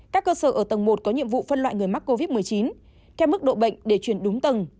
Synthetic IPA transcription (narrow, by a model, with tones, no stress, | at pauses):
kaː˦˥kːəː˧səː˧˩ʔəː˧˩t̪ə˨˩ŋmo˨˩t̚kɔ˨˦ɲḭ˧əmvṵ˧˨fə˧nlwa̰ː˧˨jŋɨ˨˩əjma˦˥k̚ko˧vi˦˥t̚mɨ˨˩əjt͡ɕi˨˦n | t̪ʰɛ˧wmɨ˦˥k̚ɗo̰˧˨ɓə̰˧˨jŋ̟ɗe˧˩t͡ɕwi˧˩ənɗʊ˨˦ŋ͡mt̪ə˨˩ŋ